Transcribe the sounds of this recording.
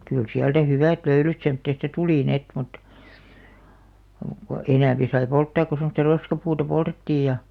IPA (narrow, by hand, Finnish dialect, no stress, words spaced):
kyl siæltæ hyʋæˑt løylyt semtːeˑstɑ tuliˑ niet mut ko enæˑmpi sɑi poltːɑːk ko semŏstɑ roskɑpuːtɑ poltetːiːj jɑ